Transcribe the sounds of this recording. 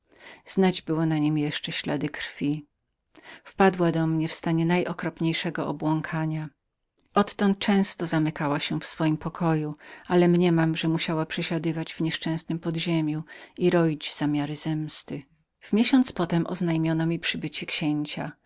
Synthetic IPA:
z̥nad͡ʑbɘwɔnaɲimjɛʂt͡ʂɛɕla̰d̪ɘkɾfʲi | fpad̪wad̪ɔmɲɛfst̪aɲɛnajʔɔkɾɔpɲejʂɛɡɔɔbwɔŋkʰaɲa | ʔɔt̪ːɔnt̪̚t͡ʂɛ̃w̃st̪ɔzamɘkawaɕɛfsfɔjimpɔkʰɔjualɛmɲɛmamʐɛmuɕawapʂɛɕad̪ɘvad͡ʑvɲɛʂt͡ʂɛ̃w̃snɘmpɔd̪ʑemʲjuiɾɔid͡ʑz̥amʲjaɾɘzɛmst̪ɘ | v̥mʲjeɕɔ̃nt̪spɔt̪ɛmʔɔ̰znajmʲjɔnɔmʲipʂɘbɘt͡ɕɛkɕeɲt͡ɕa̰

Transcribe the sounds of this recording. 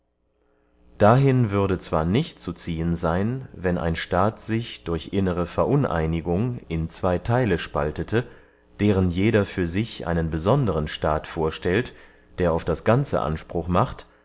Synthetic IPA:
d̥aɦɪnvʏɐdət͡sv̥aːɐnɪçtt͡sut͡siːənzaɪnvɛnʔa̰ɪnʃtaːtz̥ɪçd̥ʊɐçʔɪnəʁ̞əfɛɐʔʊnʔa̰ɪnɪɡʊŋɪnt͡sv̥aɪtʰaɪləʃpaltətʰə | d̥eːʁənjeːɾɐfyːɐzɪçʔa̰ɪnənbəzɔndəʁənʃtaːtfoːɐʃtɛlt | d̥eːɐaʊfd̥asɡ̥ant͡sə̰ʔa̰nʃpʁ̥ʊχmaχt

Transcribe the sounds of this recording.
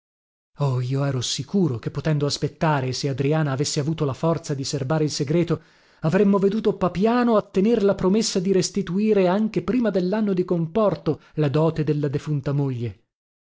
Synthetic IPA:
ɔiːoɛːɾosikuːɾok̟epːot̪ɛnd̪oaspet̪ːaːɾesead̪ɾiaːnaːvesːeavuːt̪olafɔrt̪sad̪iserbaːɾeilseɡɾɛːt̪o | avɾemːoved̪uːt̪opapjaːnoat̪ːenerlapɾomesːad̪iɾest̪it̪uiːɾeaŋk̟epɾiːmad̪elːanːod̪ikompɔrt̪olad̪ɔːt̪ed̪elːad̪efunt̪amoʎːe

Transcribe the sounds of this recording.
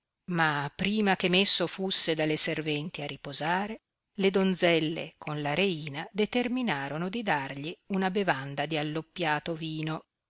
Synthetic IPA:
mapːɾiːmakemesːofusːed̪alːeservɛnt̪iarːipozaːɾe | led̪ond̪zɛlːḛkʰonlaɾeiːnad̪et̪erminaːɾonod̪id̪arʎiunabevand̪ad̪ialːopːjaːt̪oviːno

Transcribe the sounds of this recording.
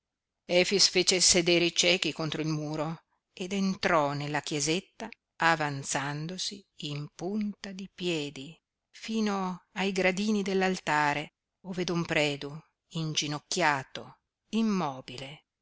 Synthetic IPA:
ɛːfisfeːt͡ʃesed̪eːɾeit͡ʃɛːk̟ikont̪ɾoilmuːɾo | ed̪ent̪ɾɔnelːakjezet̪ːaː | vant̪sand̪osiː | mpunt̪ad̪ipjɛːd̪i | fiːnoajɡɾad̪iːnid̪elːalt̪aːɾe | oːved̪ompɾɛːd̪u | ind͡ʒinokːjaːt̪o | imːɔːbile

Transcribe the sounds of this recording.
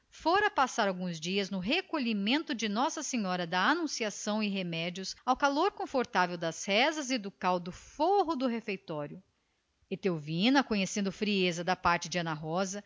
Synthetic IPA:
foɾɐpasaɾawɡũzd͡ʒiɐznʊɦekoʎimẽnt̪ʊd͡ʒɪnɔsɐsẽɲɔɾɐd̪ɐanũsiasɐ̃w̃ɪɦemɛd͡ʒiʊsawkaloɾkõfoɾt̪avewd̪ɐshɛzɐzɪd̪ʊkawd̪ʊfoɦʊd̪ʊɦefejt̪ɔɾjʊ | et̪ewvĩnɐkõɲesẽnd̪ʊfɾiezɐd̪ɐpaɾt͡ʃɪd͡ʒɪɐ̃nɐɦɔzɐ

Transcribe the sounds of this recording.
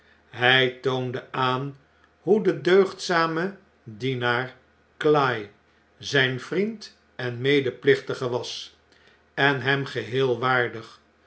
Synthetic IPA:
ɦɛjtowndəaːn | ɦudədøɥχtsaːmə | dinaːɹ | klaj | zɛjnv̥rint | ɛnmejdəplɪχtəχəʋɑs | ɛnɦɛmχəɦɪːlˠʋaːɹdəχ

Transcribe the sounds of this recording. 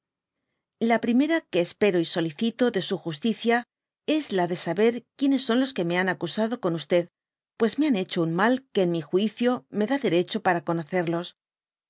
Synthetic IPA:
lapɾime̞ɾake̞ːspe̞ɾo̞iso̞liθit̪o̞ðe̞suxust̪iθja | e̞zlaðe̞saβe̞ɾkje̞ne̞sːo̞nlo̞ske̞me̞anakusaðo̞ko̞nust̪e̞ð | pwe̞zme̞ane̞t͡ʃo̞unmalke̞ːnmixwiθjo̞me̞ðaðe̞ɾe̞t͡ʃo̞paɾako̞no̞θe̞ɾlo̞s

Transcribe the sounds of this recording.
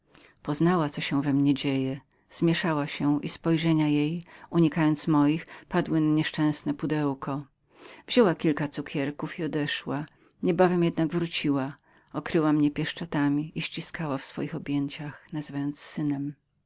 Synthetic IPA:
pɔznawat̪sɔɕɛ̃vɛmɲɛd͡ʑejɛ | z̥mʲjɛʂawaɕɛʔispɔjʐɛɲajejuɲikajɔnt̪smɔjixpad̪wɘnaɲɛʂt͡ʂɛ̃w̃snɛpud̪ɛwkɔ | v̥ʑ̥ɔwakʲilkat̪sukʲʰɛɾkufiɔd̪ɛʂwa | ɲɛbavɛmjɛd̪naɡvɾut͡ɕiwa | ɔkɾɘwamɲɛpʲjɛʂt͡ʂɔt̪amʲiʔiɕt͡ɕiskawafsfɔ̰jixɔbʲjeɲt͡ɕaxnazvajɔnt̪ssɘnɛm

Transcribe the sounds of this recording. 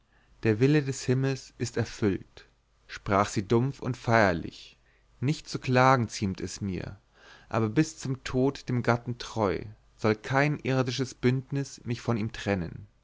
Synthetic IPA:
d̥eːɐvɪlədɛshɪml̩sʔɪstɛɐfʏlt | ʃpʁ̥aːχz̥iːdʊmfʊntfaɪɐlɪ̰ç | nɪçt̚t͡suklaːɡŋ̩t͡siːmtɛsmiːɐ | ʔa̰ːbɐbɪst͡sʊmtʰoːtd̥eːmɡatn̩tʁ̥ɔʏ | z̥ɔlkʰaɪnʔɪʁdɪʃ̬əsb̥ʏntnɪsmɪçfɔniːmtʁ̥ɛnə̰n

